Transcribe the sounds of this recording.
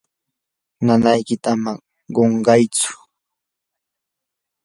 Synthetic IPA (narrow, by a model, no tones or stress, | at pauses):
nanajkɪt̪amaŋ | ɢoɴɢɑjt͡sʊ̥